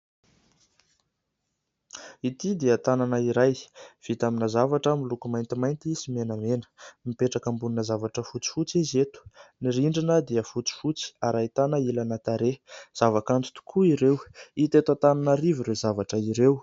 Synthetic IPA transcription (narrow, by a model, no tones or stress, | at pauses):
it̪id̪iət̪ananəiɾajv̥it̪aminəzavaʈ͡ʂəmilukumajnt̪imajnt̪isimenəmenə̥mipeʈ͡ʂakəmbuninəzavaʈ͡ʂəfut͡si̥fut͡sizet̪u̥niɾiɳɖ͡ʐinəd̪iəfut͡si̥fut͡si̥aɾait̪anəilanat̪aɾez̥avakant̪u̥t̪u̥kʰuiɾewit̪et̪at̪ananəɾiviɾezavaʈ͡ʂəiɾew